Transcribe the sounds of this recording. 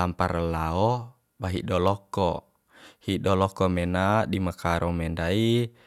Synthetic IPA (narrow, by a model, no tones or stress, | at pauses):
ampaɾəlaɔ | baɦiʔdɔlɔkːɔ | hiʔɗɔlɔkɔmɛnadimakaɾɔmɛndai